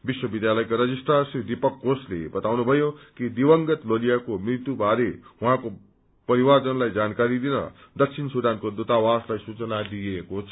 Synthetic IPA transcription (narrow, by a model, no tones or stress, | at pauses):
biswʌbid̪jalʌjkoɾʌd͡zisʈasid̪ipʌkːoslḛbʌt̪awnubʱʌjokid̪ibʌŋɡʌt̪lolijakomrit̪jubʱaɾeɦũãko | pʌɾiwad͡zʌnlajd͡zankaɾid̪inʌ̰d̪ʌk̚t͡sʰinsud̪ankod̪ut̪awaslajsut͡sʌnad̪iekot͡sʰʌ̥